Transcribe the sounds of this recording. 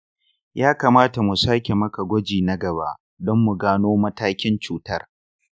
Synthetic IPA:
jaː˦kaː˨maː˦ta˨mu˨saː˦kʲe˨mɐ˦ka˨ɡʷɔ˦d͡ʒiː˨nɐ˦ɡɐ˨ba̰ː˦ | dɔ˦mːu˨ɡaː˦noː˦mɐ˦taː˦kʲɪ˦nt͡ʃuː˨tɐ˦r

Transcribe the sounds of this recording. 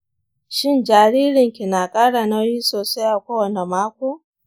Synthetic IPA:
ʃɪ˦nd͡ʒaː˨ɽiː˦ɾɪ˨ŋkʲi˨na˨kʼaː˦ɽa˨na˦jiː˦soː˨sa˦jʔa˨kʷoː˦wɐ˨ne˨maː˦kʷoː˦

